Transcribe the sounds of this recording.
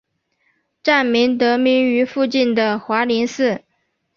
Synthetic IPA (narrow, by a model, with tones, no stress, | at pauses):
ʈ͡ʂa˥˩nmi˧˥ŋt̪ɤ˧˥mi˧˥ny˧˥fu˥˧t͡ɕi˥˩nd̪ə˩xwa˧˥li˧˥nsɹ̩˥˩